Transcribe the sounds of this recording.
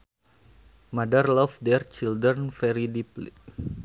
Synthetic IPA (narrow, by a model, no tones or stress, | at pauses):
madərlɔfdɛrt͡ʃildɾənfɛɾidiplḭ